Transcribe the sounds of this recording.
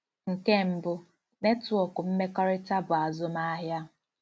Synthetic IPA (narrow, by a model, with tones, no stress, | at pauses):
ŋ̩˨ke˦m̩˦bʊ˨ | ne˦tu˨ɔ˨kʊ˨m̩˦me˦kɔ˦ɾɪ˦ta˦bʊ˨a˨zʊ˦ma˦ɦja˦